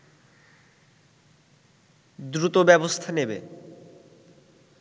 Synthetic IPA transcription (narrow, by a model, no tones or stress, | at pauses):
d̪ɾut̪obɛbost̪ʰanebḛ